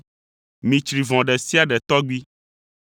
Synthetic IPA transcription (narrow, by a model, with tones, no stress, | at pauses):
mĩ˨t͡ʃɾi˨vɔ̃˨ɖɛ˨si˦a˦ɖɛ˨t̪ɔ˦ɡ͡bi˦